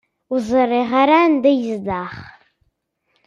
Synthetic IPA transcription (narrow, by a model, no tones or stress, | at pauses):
uzɨreʁaɾandɨjzdaχ